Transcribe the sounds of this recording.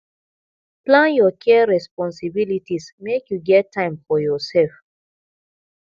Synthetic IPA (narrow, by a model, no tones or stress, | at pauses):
plãnjɔkʰɛɹɛspɔ̃nsibilitismekjuɡɛtʰːãɪ̃mfɔjɔsɛlf